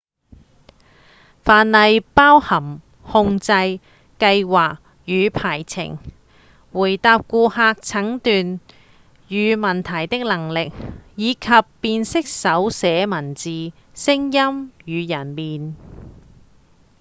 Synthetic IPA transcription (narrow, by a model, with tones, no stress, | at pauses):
faː˨˧nlɐ˨˧jpaː˥whɐ˨˩m | hʊ˧ŋt͡sɐ˧j | kɐ˧jwaː˨k̚ | jyː˨˧pʰaː˨˩jt͡sʰɪ̰˨˩ŋ | wuː˨˩jt̪aː˧p̚kuː˧haː˧k̚t͡sʰɐ˨˥ŋt̪yː˨n | jyː˨˧mɐ˨˩nt̪ʰɐ˨˩jt̪ɪ˥k̚lɐ˨˩ŋlɪ˨k̚jiː˨˧kʰɐ˨pːiː˧nsɪ˥k̚sɐ˨˥wsɛː˨˥mɐ˨˩nt͡siː˨ | sɪ˥ŋjɐ˥mjyː˨˧jɐ˨˩nmiː˨n